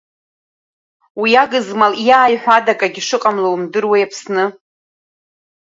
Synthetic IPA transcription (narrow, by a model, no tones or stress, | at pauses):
wijaɡɨzmaljaːjħʷᶣadakʼaɡʲiʂɨqʼamlowmdɨrwejapʰsnɨ